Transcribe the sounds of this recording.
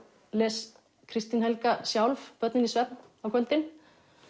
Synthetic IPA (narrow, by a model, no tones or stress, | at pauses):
lɛːs | kʰɾɪst̪ɪnhɛlkasjawlfpœt̪nɪnisvɛt̪̚n | awkʰœlt̪ɪn